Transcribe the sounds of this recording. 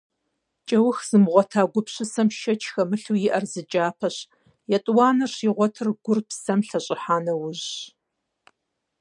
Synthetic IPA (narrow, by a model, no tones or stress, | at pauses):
t͡ʃʼɐwʊxz̥ɨmʁʷɔtʰaːɡʷʊpɕɪsɐmʃɐt͡ʃʰxɐmɨɬujɪʔɐrzɨt͡ʃʼaːpʰɐɕ | jɛtʼwɑːnɐɕiʁʷɔtʰɨrɡʷʊrpsɐmɬɐɕʼɪħaːnɐwʊʑ